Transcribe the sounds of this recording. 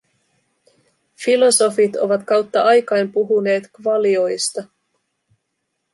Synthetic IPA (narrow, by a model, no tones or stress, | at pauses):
filo̞so̞fit̪o̞̰ʋɑt̪kɑwt̪ːɑʔɑjkɑjmpuɦune̞ːt̪kʋɑlio̞jst̪ɑ